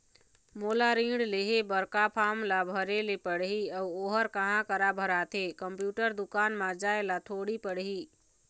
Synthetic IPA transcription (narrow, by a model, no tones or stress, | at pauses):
moːlaɾĩːɖleɦebəɾkapʰaːmlabʱəɾelepəɽɦiəuoːɦəɾkəɦãkəɾabʱəɾaːt̪ʰekəmpjuːʈəɾd̪ʊkaːnmãd͡ʒaːelat̪ʰoːɽipəɽɦiː